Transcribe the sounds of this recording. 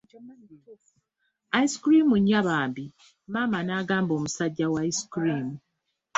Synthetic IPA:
aiskɾiːmuɲːaβaːmbi | maːmanaːɡaːmbo̞ːmusaɟːawaiskɾiːmu

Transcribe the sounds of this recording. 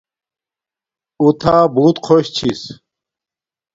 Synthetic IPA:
ut̪ʰaːbuːt̪qʰoɕt͡ɕʰis

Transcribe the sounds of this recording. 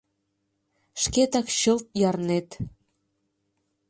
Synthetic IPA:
ʃket̪ɑkɕɤ̆lt̪̚jɑrnet̪

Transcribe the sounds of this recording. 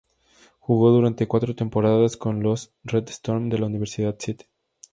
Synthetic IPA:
xuɣo̞ðuɾant̪e̞kwat̪ɾot̪e̞mpo̞ɾaðasko̞nlos | red̪st̪oɾmd̪e̞launiβ̞e̞ɾsiðaðset̪e̥

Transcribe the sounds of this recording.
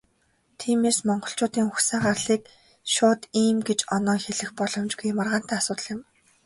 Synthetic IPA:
t̪ʰiːmeːsmɔɴɢɞ̆ɬt͡ɕʊːt̪iːŋxuxsaːɢarɮiːk | ʃʊːt̪iːmɡet͡ɕɔnɔːŋxeɮɘ̆xpɔɮɞ̆mt͡ɕɡujmarʁaːn̥t̪æːasʊːt̪ə̆ɮjɪ̆m

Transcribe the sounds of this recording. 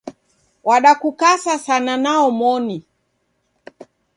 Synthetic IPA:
waɗakukasasananaɔmɔni

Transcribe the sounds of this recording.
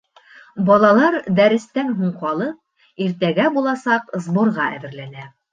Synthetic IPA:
bɑlˠɑlˠɑɾd̪æɾɘ̆st̪ænɦuɴqɑlˠɤp | iɾt̪æɡæbulˠɑsɑqzbŏɾʁɑʔæ̰ðɘ̆ɾlænæ

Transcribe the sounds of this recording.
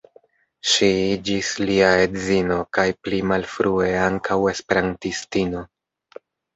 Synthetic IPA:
ʃiid͡ʒisliae̞dzino̞kajplimalfɾue̞aŋkʰawe̞spe̞ɾantistino̞

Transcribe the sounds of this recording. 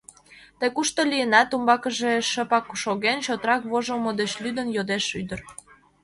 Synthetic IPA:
t̪ekuʃt̪olijənɑt̪umbɑkəʒeʃə̆pɑkʃoɣenɕot̪ɾɑkβoʒəlmod̪ət͡ɕlyd̪ə̆njod̪eʃyd̪ər

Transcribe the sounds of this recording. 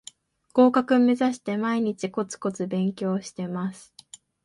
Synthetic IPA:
ɡ̥o̞ːkakɯ̟me̞zaɕi̥t̪e̞maiɲ̟it͡ɕiko̞t͡sɨ̥ko̞t͡sɨbẽ̞ŋkʲo̞ːɕi̥t̪e̞masɨ̥

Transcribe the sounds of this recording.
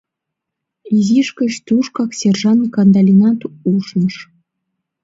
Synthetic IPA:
izʲiʃkə̆ɕt̪uʂkɑksʲerʐɑnkɑnd̪ɑlʲinɑt̪uʃnɤ̆ʃ

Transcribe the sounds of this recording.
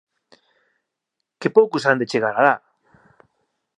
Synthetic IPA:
kepowkusand̪et͡ʃeɣaɾaða

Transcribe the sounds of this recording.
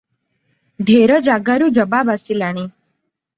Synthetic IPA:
d̪ʱeɾəd͡ʒaɡaɾud͡ʒəbabasilaɽ̃i

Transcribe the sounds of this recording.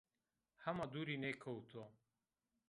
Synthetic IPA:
hɐmad̪uɾinekʰɐwt̪ʰo

